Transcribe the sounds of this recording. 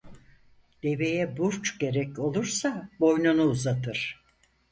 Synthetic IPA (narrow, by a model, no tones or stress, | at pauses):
d̪̥e̞ve̞jɛbuɾt͡ʃɟe̞ɾɛco̞lˠuɾsabo̞jnunuːzat̪ʰɯɾ̥